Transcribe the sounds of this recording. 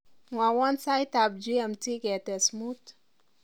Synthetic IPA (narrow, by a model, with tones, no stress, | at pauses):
mwa˨wɔ˦nsa˦jt̪a˨b̚d͡ʒi˦ɛ˨mti˦ɡɛ˨tɛ˨smu˦t